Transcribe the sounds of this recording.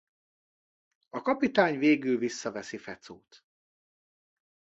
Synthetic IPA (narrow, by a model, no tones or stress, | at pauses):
ɒkɒpit̪aːɲveːɡylvisːɒvɛsifɛt̪soːt̪